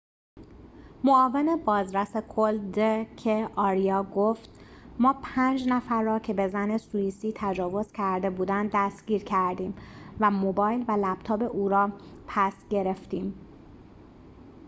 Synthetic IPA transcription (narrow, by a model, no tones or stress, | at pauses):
moɒːvene̞bɒːzɾæsekʰold̪ecʰeɒːɾijɒːɡoft̪ | mɒːpʰænd͡ʒnæfæɾːɒːcʰe̞be̞zæne̞sujiːsiːt̪ʰæd͡ʒɒːvo̞z̥cʰæɾd̪e̞buːd̪ænd̪æst̪ɟ̥iːɾcʰæɾd̪iːmvæmobɒːjlvælæb̥t̪ʰɒːbe̞ʔuːɾɒːpʰæsɟe̞ɾe̞ft̪iːm